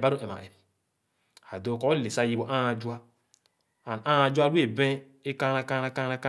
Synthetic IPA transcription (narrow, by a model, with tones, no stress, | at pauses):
ba˦ɾo˦ʔe˨ma̰˨ʔɛ˨ | a˨do˦˨kɔ˦le˨sa˦˨ji˦bo˨ʔã˦˨d͡ʒu˦a˦ | a˨n˨ã˦˨d͡ʒu˦a˦u˦e˦˨bẽ˦ | e˦ka˦na˦ka˦na˦ka˦ɾa˦ka˦